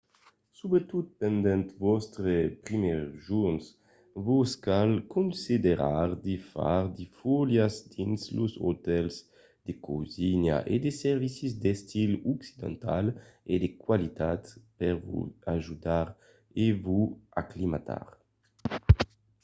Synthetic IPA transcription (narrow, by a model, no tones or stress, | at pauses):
subet̪ut̪̚pɛnd̪ɛnt̪vɔst̪ɾepɾimɛʁʒuns | voskalkunsid̪eɾaʁd̪efa̰ʁd̪ifuljazd̪̥inslozo̰t̪ɛlz | d̪̥ekoziɲa̰ʔed̪esɛɾvisizd̪est̪iluksid̪ã̰nt̪aled̪ekwalit̪at̪pɛɾvṵaʒud̪aɾ | evuaklimat̪a̰ɾ